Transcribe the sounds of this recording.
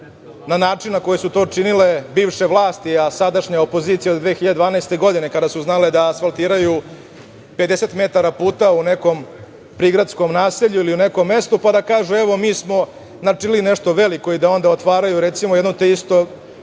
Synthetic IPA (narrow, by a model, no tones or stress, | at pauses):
nanaːʈ͡ʂinnako̞jesut̪o̞ːt͡ʂinile̞biːʋʂe̞ʋlˠaːst̪iasad̪aʃɲaopoziːt̪sijaod̪d̪ʋeːxiʎad̪ed̪ʋaːnaest̪eɡo̞d̪ine̞kad̪asuznaled̪aːsfalˠt̪iːɾaju | pe̞d̪e̞set̪me̞t̪aɾapuːt̪aune̞ko̞m | pɾiːɡɾat̪sko̞mnaːseʎuiliune̞ko̞mːe̞st̪upad̪akaːʒueʋo̞miːsmo̞ | nat͡ʂilineʂt̪oʋe̞liko̞id̪ao̞nd̪aot̪ʋaːɾajuɾet̪simojed̪not̪eist̪o